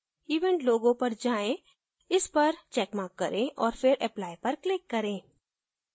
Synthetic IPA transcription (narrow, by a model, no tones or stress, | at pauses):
iːʋɛ̃ːɳʈloːɡõpɐɾd͡ʒaːẽ | ɪspɐɾt͡ʃɛːkmaːkːɐ̰ɾʔẽʔɔːɾfɪɾɛplaːipɐɾklɪkːɐɾẽː